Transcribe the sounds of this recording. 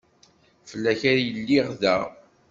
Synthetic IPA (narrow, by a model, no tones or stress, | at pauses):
fəlːæçaɾjəlːiʁðæ